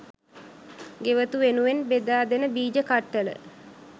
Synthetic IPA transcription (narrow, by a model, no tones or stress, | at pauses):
ɡeʋət̪uʋenuʋenbed̪aːd̪enəbiːd͡ʒəkaʈːələ̰